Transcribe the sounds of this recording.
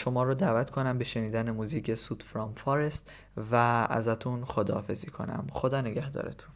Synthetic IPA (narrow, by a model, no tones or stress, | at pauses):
ʃomɒːɾoːd̪æːvæt̪kʰo̞næmbeʃe̞niːd̪ænemuːziːcʰesuːd̪fɾɒmfɒɾest̪ | vææ̰zæt̪ʰunxod̪ɒːfe̞ziːkʰo̞̰næ̰mxod̪ɒːneɡæhd̪ɒ̰ːɾḛt̪ʰun